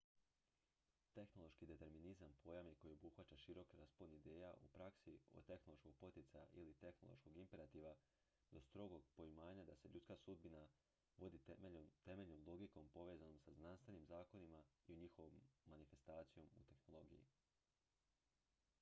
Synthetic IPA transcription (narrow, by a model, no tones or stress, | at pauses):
t̪e̞xno̞lˠo̞ʃkid̪e̞t̪e̞ɾminizampʰo̞jamiko̞jio̞buxʋat͡ʃaʃiɾo̞kiɾaspolnid̪eːjaʔupɾaksio̞̰t̪e̞xno̞lˠo̞ʃkoɡ̚po̞t̪it̪saja̰ʔilit̪e̞xno̞lˠo̰ʃko̞ɡimpe̞ɾat̪iːʋa | d̪̥o̞st̪ɾo̞ɡo̞ɡpo̞imaːɲad̪ase̞ʎut̪skasud̪̚bina | ʋo̞d̪iomt̪e̞me̞ʎno̞mlˠo̞ɡiko̞mpo̞ʋeːzano̞msaznanst̪ʋenimzaːko̞nimaiuɲixo̞ʋomːanife̞st̪aːt̪sijo̞mṵt̪e̞xno̞lˠo̞ɡḭjḭ